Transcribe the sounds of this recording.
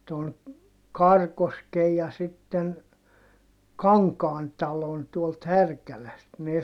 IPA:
ton kɑrkoskej jɑ sitːen kɑŋkɑːn tɑlon tuolt hærkælæst ne

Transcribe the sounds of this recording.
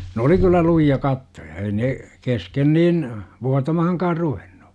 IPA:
nĕ oli kylːæ lujiɑ kɑtːojɑ ei ne kesken niːn ʋuɑtɑmɑhɑŋkɑːr ruʋenn̥u̥

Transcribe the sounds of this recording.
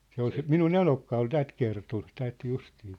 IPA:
se ol se minun enokːɑ ol tæt kerton tæt justiː

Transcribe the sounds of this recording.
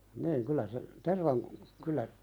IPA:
niːŋ kylːæ se terʋɑŋku kylˑæ

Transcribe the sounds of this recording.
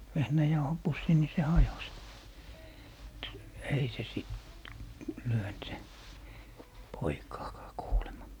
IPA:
ʋehnæjɑuhopusːi ni se hɑjos mŭt ei se siˑt lyønt se poikɑːkɑː kuːlemɑ

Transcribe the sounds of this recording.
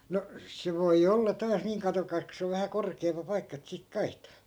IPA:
no se ʋoi olːɑ tɑːs niːŋ kɑtokɑis ko se oʋ ʋæhæ korkeːmpɑ pɑikːɑ et sik kɑihtɑ̥ː

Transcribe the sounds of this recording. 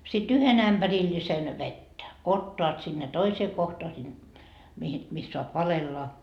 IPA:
sit yhen æmb̥ærilːisen ʋetːæ otːoɑt sinːe toiseː kohtoɑ sin mihin mis soɑp ʋɑlelːɑ

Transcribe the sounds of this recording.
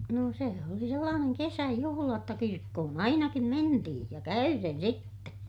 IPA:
noˑ seˑ oli selːɑːneŋ kesæjuhulɑ jotːɑ kirkːohon ɑinɑkim mentihĩː jɑ kæyren sitːe

